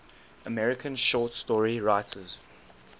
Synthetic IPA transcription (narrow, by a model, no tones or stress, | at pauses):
əmɛɹɪkʰə̃nʃɔːˑtstɔːɹiɹaɪtʰəz̥